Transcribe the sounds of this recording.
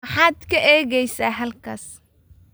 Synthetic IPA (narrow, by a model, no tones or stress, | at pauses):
ɑħɑːd̪kʰɐʔɛːɣɛjsaːɦɐlkʰɐ̰ːs